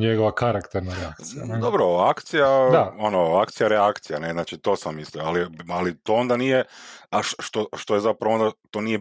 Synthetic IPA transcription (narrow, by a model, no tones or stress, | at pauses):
ɲeɡoʋakaɾakt̪eɾnaɾeak̪iad̪obɾoakt̪sijad̪aonoakt̪sijaɾeakt̪sijane̞znaːt͡ʃit̪o̞samːislioalialit̪oond̪anijeaʃʃt̪oʃt̪o̞je̞zapɾaʋoo̞nd̪at̪o̞ːnije̞